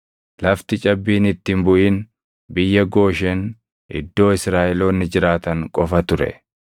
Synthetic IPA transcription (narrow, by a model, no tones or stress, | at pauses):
lɐft̪ɪt͡ʃʼɐbːiːnɪt̪ːɪmbʊʔiːn | bɪjːɐɡo̞ːʃeːn | ɪ̰d̪ːo̞ːɪsɾaːʔɛloːnːɪd͡ʒɪɾaːt̪ɐŋkʼɔfɐt̪ʊɾɛ̰